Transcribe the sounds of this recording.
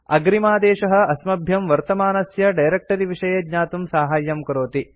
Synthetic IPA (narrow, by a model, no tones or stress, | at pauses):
ɐɡɾimaːd̪eːʂɐɦɐ̆ɐsmɐbʱjɐmʋɐɾt̪ɐmaːnɐsjɐɖɐjɾek̚ʈɐɾiʋiʂɐjɐd̪ɲaːt̪umsaːɦaːjːɐmkɐɾoːt̪i